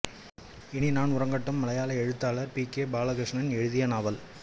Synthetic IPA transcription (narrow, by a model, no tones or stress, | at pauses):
ɪɳinaːnʊɾɐŋɡɐʈːɐmːɐlɐjaːlɐɛɻɯt̪ːaːlɐɾpiːkeːbaːlɐɣɾɪʂnɐnɛɻɯðɪjɐnaːʋɐl